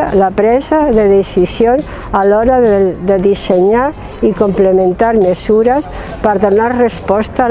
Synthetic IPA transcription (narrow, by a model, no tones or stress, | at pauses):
lapɾɛzaðeðesisjon | alɔɾaððeðiseɲa | ikomplemẽnt̪aɾmesuɾas | pəɾðonarrespɔst̪a